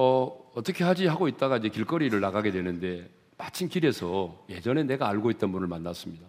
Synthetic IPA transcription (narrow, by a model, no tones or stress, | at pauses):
ʌʌt͈ʌkʰe̞ɦad͡ʑiɦaɡoit̚t͈aɡaiɲd͡ʑe̞kiɭk͈ʌɾiɾɯɭːaɡaɡe̞dwe̞nɯnde̞ | mat͡ɕʰinkiɾe̞sʰʌje̞d͡ʑʌne̞ne̞ɡaːɭɡoit̚t͈ʌnbunɯɭmanːas͈ɯmɲida